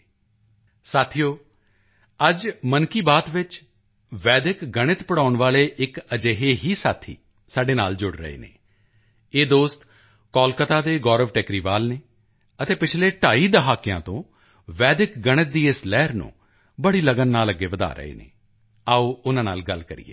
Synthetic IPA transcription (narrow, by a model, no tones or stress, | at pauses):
saːt̪ʰijoː | əd͡ʒmənkiːbaːt̪ʋɪt͡ʃ | ʋɛːd̪ɪkɡəɽ̃ɪt̪pəɽaːʊɳʋaːleːʔɪkəd͡ʒeːɦeːɦiːsaːt̪ʰḭː | saːɖeːna̰ːld͡ʒʊɽɾə̰ḛːnḛː | eːd̪oːst̪ | kɔːlkət̪aːd̪eːɡɔːɾəʋʈɛːkɾiːʋaːlneː | ət̪eːpɪt͡ʃʰleːʈaːiːd̪əɦaːkijã̰ːt̪õ̰ː | ʋɛːd̪ɪkɡəɽ̃ɪt̪̚d̪iːɪslɛːɾnṵ̃ː | bəɽiːləɡənːaːləɡːeːʋəd̪a̰ːɾə̰ḛːnḛː | aːoːʊnãːna̰ːlɡəlkəɾḭːḛː